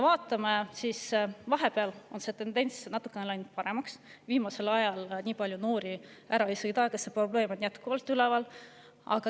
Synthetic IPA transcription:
vɑːt̪ːˑɑmesiːsvɑɦe̞pe̞ɑlo̞nse̞t̪e̞nd̪e̞nʲsnɑt̪ːˑu̥kːˑe̞ne̞lɑjnud̪̥̚pɑɾe̞mɑks | viːmɑse̞lɑjɑlnʲiːpɑlʲjuno̞ːɾiʔæɾɑejsɤjd̪ɑkɑsːepro̞ble̞ːmo̞nʲjæt̪kuvɑlt̪ːˑylɛvɑl | ɑ̰ɡ̥ɑ

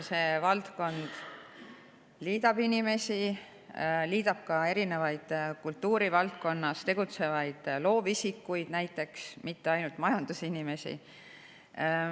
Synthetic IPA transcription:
se̞vɑlt̪ko̞nd̪̥ | liːd̪̥ɑb̥inʲime̞si | liːd̪̥ɑb̥̚kɑe̞ɾine̞vɑjd̪̥kult̪ːuːɾivɑlt̪̚ko̞nːɑst̪e̞ɡ̥ut̪se̞vɑjd̪̥lo̞ːvisikːˑujd̪̥næjt̪ːˑe̞ksmit̪ːe̞ɑjnult̪mɑjɑnd̪̥usinime̞sḭ

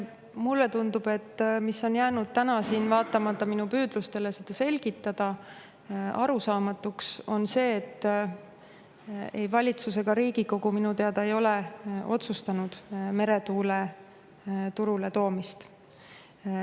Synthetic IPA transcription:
mulːe̞t̪und̪ub̥e̞t̪ːmisːo̞njæːnud̪̥̚t̪ænɑsiːnvɑːt̪ːˑɑmɑt̪ːɑminupyːd̪̥lust̪e̞le̞sed̪̥ɑse̞lʲɡ̥it̪ːˑɑd̪̥ɑ | ɑɾusɑːmɑt̪ːˑukso̞nse̞ːt̪ː | ejvɑlʲit̪suse̞ɡ̥ɑɾiːɡ̥iko̞ɡ̥uminut̪eɑd̪ɑe̞jo̞le̞ʔo̞̰t̪sust̪ɑnud̪̥me̞ɾe̞t̪uːle̞ | t̪uɾule̞t̪o̞ːmist̪

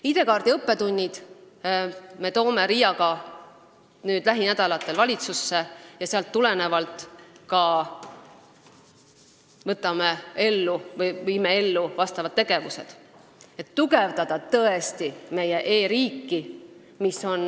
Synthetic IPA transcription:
id̪e̞kɑːrd̪iɤpːe̞t̪unʲːid̪̥ | me̞t̪o̞ːme̞ɾijɑɡɑ | nyːd̪læɦinæd̪̥ɑlɑt̪ːˑe̞lvɑlʲit̪susːe̞jɑseɑlt̪ːule̞ne̞vɑlt̪ˑkɑ | vɤt̪ːˑɑme̞e̞lːuvɤjvijmee̞lːuvɑst̪ɑvɑd̪̥̚eɡ̥e̞vuse̞̰d̪̥ | e̞t̪ːuɡe̞vd̪̥ɑd̪̥ɑt̪ɤ̞est̪ime̞je̞ʔe̞ːɾiːkːi | misːo̞n

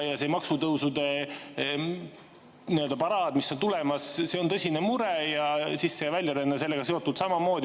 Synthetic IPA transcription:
jɑsemɑksut̪ɤwsud̪e̞ | niø̞ld̪ɑpɑɾɑːd̪̥misːo̞nt̪ule̞mɑsse̞o̞nt̪ɤsʲinemuɾejɑsisːeɑvælʲjɑɾenːese̞lːeɡɑse̞ot̪ːˑud̪sɑmɑmo̞ːd̪i

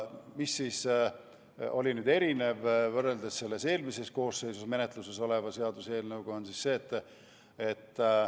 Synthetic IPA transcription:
misːiːs | o̞̰lʲinyːd̪e̞ɾine̞vvɤrːe̞ld̪esse̞lːe̞se̞ːlmise̞sko̞ːsːe̞jsusme̞ne̞t̪ˑluse̞so̞le̞vɑse̞ɑd̪use̞ːlnɤwɡ̥oonsisse̞ːt̪ːˑ | et̪ː

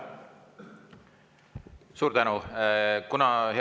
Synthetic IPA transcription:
suːɾd̪ænukunɑhe

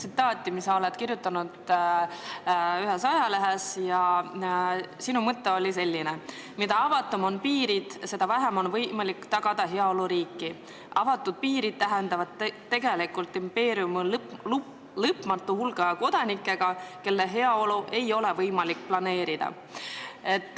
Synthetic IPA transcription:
sit̪ːˑɑːt̪ːˑimisɑo̞let̪kiɾjut̪ːˑɑnud̪̥ | yɦe̞sɑjɑleɦesjɑ | sinumɤt̪ːe̞o̞lʲise̞lʲːine | mid̪̥ɑɑvɑt̪ːˑomo̞npiːɾid̪̥se̞d̪ɑvæɦemo̞nvɤjmɑlikːt̪ɑɡ̥ɑd̪̥ɑɦe̞ɑo̞luɾiːkːˑi | ʔɑvɑt̪ːˑud̪̥̚piːɾid̪̥̚t̪æɦend̪̥ɑvɑd̪̥t̪ːe̞ɡe̞likult̪ːˑimpe̞ːɾiumllu | lɤpmɑt̪ːˑuhulɡ̥ɑko̞d̪̥ɑnikːˑe̞ɡ̥ɑke̞lːeɦe̞ɑo̞luʔe̞jo̞le̞vɤjmɑlikːplɑne̞ːɾid̪̥ɑ̰ | e̞t̪ːˑ

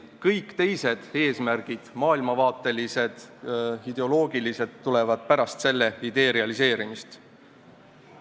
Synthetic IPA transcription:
kɤjkːt̪e̞jse̞d̪̥e̞ːsmærɡ̥id̪̥mɑːilmɑvɑːt̪ːˑe̞lise̞d̪̥id̪̥eo̞lo̞ːɡ̥ilise̞t̪ːule̞vɑd̪̥̚pæɾɑst̪se̞lːe̞id̪e̞ːɾiɑlise̞ːɾimist̪

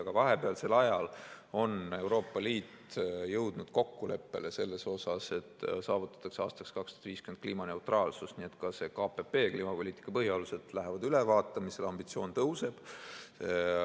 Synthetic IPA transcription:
ɑkɑvɑɦe̞peɑlse̞lːɑjɑlo̞ne̞wɾo̞ːpːˑɑliːt̪jɤwd̪̥nud̪̥ko̞kːule̞̰pːe̞̰lese̞lːe̞so̞sɑse̞t̪ːˑsɑːvut̪ːˑɑ̥t̪ːˑɑkseɑːst̪ɑkse̥kɑkst̪o̥d̥̪viːskymenkliːmɑne̞wt̪rʔɑːlsusnie̞t̪kɑse̞kɑːpe̞pe̞ːkliːmɑpo̞lʲiːt̪ːˑi̥kːˑɑpɤɦjoluse̞d̪̥læɦevɑd̪ylevɑːt̪ːˑɑmiselɑmb̥it̪sio̞ːnt̪ɤwse̞b̥

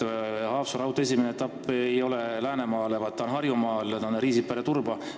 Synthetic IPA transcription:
hɑːfsuɾɑwt̪oe̞simeneet̪ːˑɑpːejo̞lɛlæːnemɑːlevɑt̪ːɑonɦɑrjumɑːlɑnɾiːsipeɾet̪urbɑ

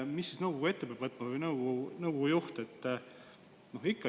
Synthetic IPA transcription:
misːisnɤwɡuɡue̞t̪ːepeb̥vɤt̪ːˑmɑvɤjnɤwɡunɤwɡujuht̪et̪ːˑ | noɦikːɑ

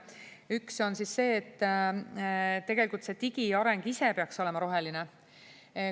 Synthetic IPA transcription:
ykso̞nsisːe̞ːt̪ː | t̪ːe̞ɡ̥e̞likult̪se̞t̪iɡ̥iɑɾe̞ŋɡ̥ise̞peɑkso̞le̞mɑɾo̞ɦe̞line

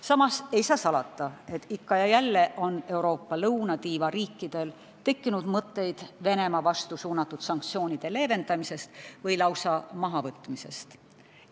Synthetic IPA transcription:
sɑmɑse̞jsɑːsɑlɑt̪ːˑɑe̞t̪ːˑikːɑjɑjælːe̞ʔo̞ne̞uɾo̞ːpːɑlɤwnɑt̪iːvɑɾiːkˑːid̪̥e̞l | t̪e̞kːinud̪̥mɤt̪ːe̞jd̪̥ve̞ne̞mɑvɑst̪usuːnɑt̪ːˑud̪̥sɑŋk̚t̪sijo̞ːnid̪̥e̞le̞ːve̞nd̪ɑmise̞st̪vɤjlɑwsɑmɑɦɑvɤt̪ːˑmise̞̰st̪

